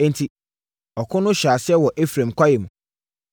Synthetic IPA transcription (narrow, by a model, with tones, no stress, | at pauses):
ɛ̃˦n˨tʰi˨ | ɔ˨kʰʊ̃˦nʊ̃˦ɕᶣaː˨sɪ˦ɛ˦wɔ˨ʔe˦fɾã˨mkʷʰa˦jɛ˨mũ˨